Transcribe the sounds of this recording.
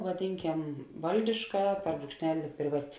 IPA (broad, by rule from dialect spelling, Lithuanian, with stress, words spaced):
ʋɐˈdʲɪŋʲˌkʲɛm ˈʋɐlʲdʲɪʃkɐ pʲɛr bruːkʃʲˈnʲæːlʲɪ pʲrʲɪˈʋɑːtʲɪ